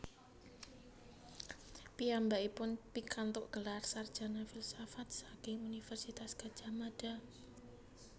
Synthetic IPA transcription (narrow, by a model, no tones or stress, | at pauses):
piambaipʊnpikant̪ʊʔɡ̥əlarsard̥ʒ̥a̤nafilsafat̪̚sakɪŋunifɛrsit̪asɡ̥ḁd͡ʒ̥a̤mad̥a